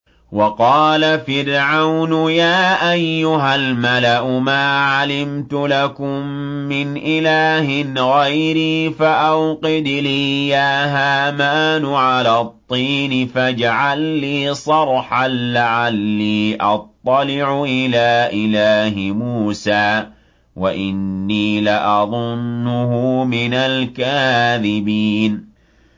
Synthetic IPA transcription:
wɑqɑːlafɪɾʕawnʊjaːʔajːʊɦalmalaʔʊmaːʕalɪmt̪ʊlakʊmː | ɪnʔɪlaːhɪnɣajɾiːfaʔawqɪd̪liːjaːɦaːmaːnʊʕalaːt̪ˤːiːnɪfad͡ʒaʕalːiːsˤɑɾˤħanlaʕalːiːʔɑt̪ˤːɑlɪʕʊʔɪlaːʔɪlaːɦɪmuːsaː | waʔɪnːiːlaʔɑðˤʊnːʊɦʊmɪnalkaðɪbiːn

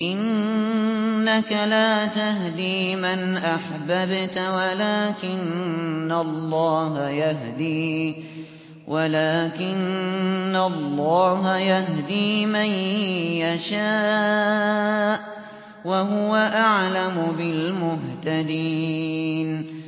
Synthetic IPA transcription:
ʔɪnː | akalaːt̪aɦd̪iːmanʔaħbabt̪walaːkɪnːalˤːɑːɦajaɦd̪iː | wʔalaːkɪnː | alˤːɑːɦajaɦd̪iːmajjaʃaː | ʔ | waɦʊwaʔaʕlamʊbɪlmʊɦt̪ad̪i | n

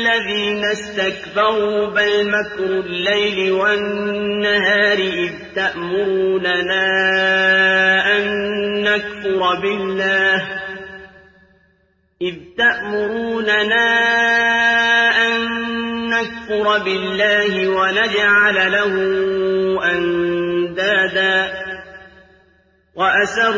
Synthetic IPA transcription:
lːaðiːnast̪akbɑɾuːbɪlmakɾʊlːajlɪwanːaɦaːɾɪʔɪðt̪aʔmʊɾuːnanaː | ʔanːakfʊɾˤɑbɪlːaːh | ʔɪðt̪aʔmʊɾuːnanaː | ʔanːakfʊɾˤɑbɪlːaːhɪwanad͡ʒʕallahʊ | ʔand̪aːd̪aː | waʔasaɾˤ

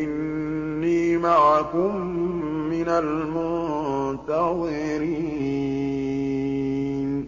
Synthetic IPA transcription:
ʔɪnː | iːmaʕkʊmː | ɪnal | mʊ | t̪aðˤɪ | ɾiː | n

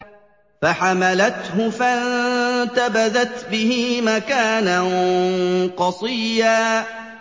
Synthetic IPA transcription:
faħamalat̪ɦʊfant̪abaðat̪bɪhimakaːnan | qɑsˤiːjaː

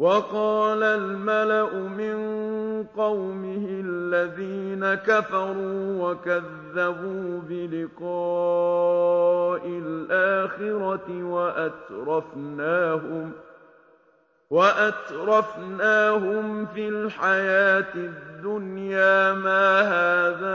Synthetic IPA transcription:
wɑqɑːlalmalaʔʊmɪnqɑwmɪhɪalːaðiːnakafɑɾˤuːwakaðːabuːbɪlɪqɑː | ʔɪlʔaːxɪɾɑt̪ɪwaʔat̪ɾˤɑfnaːhʊm | waʔat̪ɾˤɑfnaːɦʊmfilħajaːt̪ɪd̪ːʊnjaːmaːɦaːða

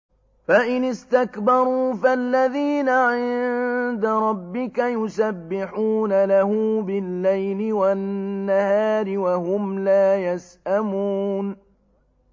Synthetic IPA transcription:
faʔɪnɪst̪akbɑɾˤuːfalːaðiːnaʕɪnnd̪aɾˤɑbːɪkajʊsabːɪħuːnalahʊːbɪlːajlɪwaːahaːɾɪwahʊmlaːjasʔamuːn

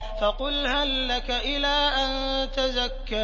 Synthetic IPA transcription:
fɑqʊlhalːakaʔɪlaːʔant̪azakːa

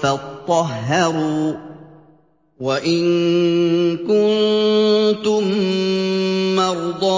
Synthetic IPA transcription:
fatt̪ˤːɑɦːɑɾuː | waʔɪn | kʊnn | t̪ʊm | mɑɾˤd̪ˤɑː

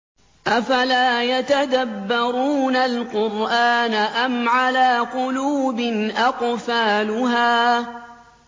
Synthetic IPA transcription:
ʔafalaːjat̪ad̪abːɑɾuːnalqʊɾʔaːnaʔamʕalaːqʊluːbɪnʔɑqfaːlʊɦaː

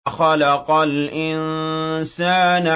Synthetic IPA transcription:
xalɑqɑlʔɪnsaːn

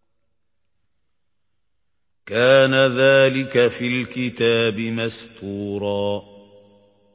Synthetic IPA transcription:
kaːnaðaːlɪkafiːlkɪt̪aːbɪmast̪uːɾˤɑː

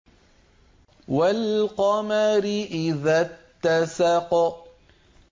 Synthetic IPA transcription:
walqɑmaɾɪʔɪðat̪ːasɑq

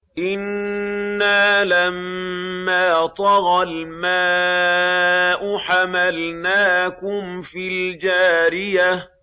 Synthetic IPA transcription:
ʔɪnː | aːlamː | aːt̪ˤɑɣɑlmaː | ʔʊħamalnaːkʊmfiːld͡ʒaːɾɪja

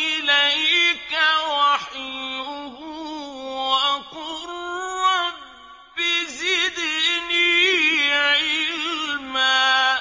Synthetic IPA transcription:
ʔɪlajkawaħɪʊhʊwaʔaqʊr | bɪzɪd̪niːʕɪɪlllma

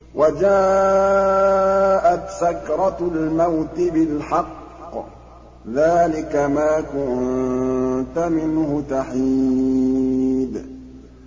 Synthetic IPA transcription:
wʔad͡ʒaː | ʔat̪sakɾˤɑlmawt̪ɪbɪlħɑqː | ðaːlɪkamaːkʊn | t̪amɪnhʊt̪aħi | d̪

